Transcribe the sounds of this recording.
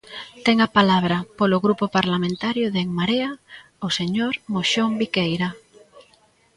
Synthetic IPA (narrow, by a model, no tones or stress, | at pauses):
t̪ɛŋapalaβ̞ɾapolʊɣɾupopaɾlamẽnt̪aɾjʊðeŋmaɾea | oseɲoɾmoʃombikejɾa